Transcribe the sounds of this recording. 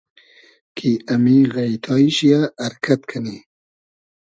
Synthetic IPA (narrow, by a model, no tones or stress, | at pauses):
kʰiamiɣajt̪ʰɑːiʃijaːɾkʰat̪kʰani